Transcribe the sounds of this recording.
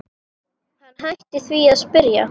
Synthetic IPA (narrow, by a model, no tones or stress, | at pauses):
hanːɦajht̪ɪθviaðspɪɾja̰